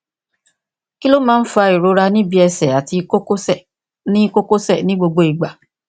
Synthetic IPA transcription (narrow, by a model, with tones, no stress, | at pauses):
ki˦lo˦mãː˦n̩˦fu˧a˧i˨ɾo˨˧ɾa˧nĩ˦bi˦ɛ˧sɛ˨a˨ti˧o˦ko˦sɛ˦˨ | nĩ˦ko˦ko˦sɛ˦˨nĩ˦ɡ͡bo˧ɡ͡bo˧i˨ɡ͡ba˨